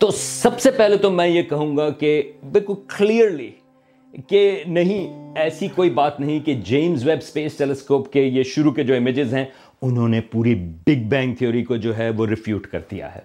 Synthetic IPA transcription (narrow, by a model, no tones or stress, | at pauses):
t̪oːsɐbsepɛɦlet̪omɛ̃ːjekɐɦũːɡakebɪlkʊlkliːəɾli | kenɐɦĩɛːsikoːibaːt̪nɐɦĩked͡ʒeːmzʋɛbspeːsʈɛlɛskoːpkejeʃʊɾuked͡ʒoːɪmɪd͡ʒɪzɦɛ̃ | ʊnɦõːnepuːɾibɪɡ̚bɛ̃ːŋk̚t̪ʰijoːɾikod͡ʒoːɦɛʋoɾɪfjuːʈkɐ̰ɾd̪ḭja̰ɦɛ̰ː